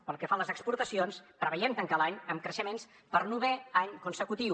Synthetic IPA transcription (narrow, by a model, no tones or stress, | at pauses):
pəlˠkəfaləzəkspuɾt̪əsionspɾəβəʎɛmt̪əŋkalaɲəmkɾəʃəmens | pəɾnuβɛaɲkunsəkut̪iw